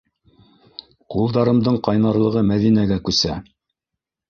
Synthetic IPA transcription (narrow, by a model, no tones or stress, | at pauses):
qulˠd̪ɑɾɤ̆md̪ɤɴqɑjnɑɾlˠɤ̆ʁɤmæðinæɡækʉsæ